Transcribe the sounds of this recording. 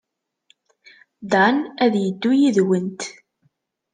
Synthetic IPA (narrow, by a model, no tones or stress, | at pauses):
d̪anæðjəd̪ːujiðwənt̪